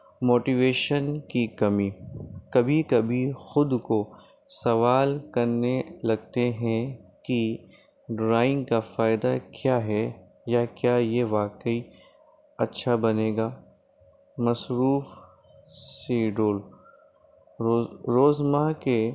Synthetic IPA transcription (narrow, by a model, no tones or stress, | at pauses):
moːʈiʋeːʃənkikɐmiːkɐbʱikɐbʱixʊd̪ko | sɐʋaːlkɐɾnelɐɡ̚t̪eɦɛ̃ki | ɖɾaːɪ̃ŋɡkafaːɪd̪akjaːɦɛ | jakjaːjeʋaːkəi | ɐtːʃʰabɐneːɡaː | mɐsɾuːf | siːɖoːl | oɾoːzmaɦke